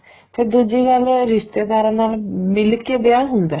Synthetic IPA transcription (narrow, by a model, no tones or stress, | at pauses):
p̪ʰeɾd̪ud͡ʒeːkalɾɪʃt̪eːd̪aːɾãːnaːlmɪlkeːbɪjaːɦʊnd̪ɛː